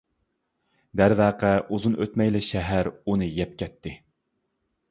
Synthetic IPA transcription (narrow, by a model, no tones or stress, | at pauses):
d̪æɾvæːqʰɛʔuzunøt̪mɛjlɪʃɛɦæɾunɨjɛp̚kʲɛt̪ʰːɪ